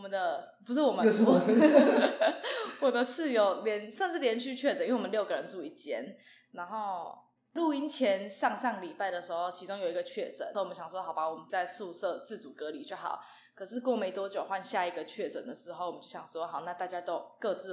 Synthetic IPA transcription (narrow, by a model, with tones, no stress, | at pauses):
wɔ˨mə˦nd̪ə˧ | pu˧˥ʂ̬ɻ̩˥˩wɔ˨˩mə˦˧˥ | wɔ˨˩d̪ə˧ʂɻ̩˥˩jo˨˩ʊljɛ˧˦˥nswa˥˧nʂɻ̩˥˩ljɛ˧˥nt͡ɕʰy˥˧t͡ɕʰɥɛ˥˩ʈ͡ʂə˨n˥˩wɔ˨˩˦ljɡə˩ɻə˧˦nʈ͡ʂu˥˧i˥˩t͡ɕjɛ˥n | na˧˥nxo˥˩ʊ | lu˥˩i˧˥nt͡ɕʰjɛ˧˦˥nʂɑ˥˧ŋʂɑ˥˩ŋli˨˩pa˥˩ɪd̪ə˩ʂɻ̩˧˥xo˥˩ʊt͡ɕʰi˧˥ʊ˥ŋjo˨˩ʊi˧˥ɡə˧t͡ɕʰɥɛ˥˩ʈ͡ʂə̰˨˩n˥˩˨mə˦ɕjɑ˨˩ŋʂwɔ˥xɑ˨˩ʊba˧˦wɔ˨˩mə˦nt͡sa˥˧ɪʂu˥˧sɤ˥˧t͡sɹ̩˥˩t͡su˨˩kɤ˧˦li˨˩t͡ɕjo˥˩ʊxɑ̰˨˩ʊ | kʰɤ˨˩ʂɻ̩˥˧kwɔ˥˧˩me˧˥ɪt̪wɔ˥t͡ɕjo˨ʊxwa˥˧nɕja˥˩i˧˥ɡə˧t͡ɕʰɥɛ˥˩ʈ͡ʂə̰˨˩nd̪ə˩ʂɻ̩˧˥xo˥˩ʊwɔ˨˩mə˦t͡ɕjo˥˩ɕjɑ˨˩ŋʂwɔ˦xɑ˨˩ʊna˥˧t̪a˥˩t͡ɕja˥t̪o˥ʊkɤ˥˧t͡sɹ̩˥˩